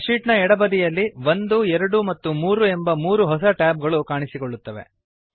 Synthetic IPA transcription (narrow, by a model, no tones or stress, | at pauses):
ʂiːʈnɐɛɽɐbɐd̪ijɐlːiʋond̪uɛɾɐɽumɐt̪ːumuːɾuembɐmuːɾuɦɔs̬ɐʈaːb̚ɡɐɭukaːɳisikoɭːut̪ːɐʋe̞̰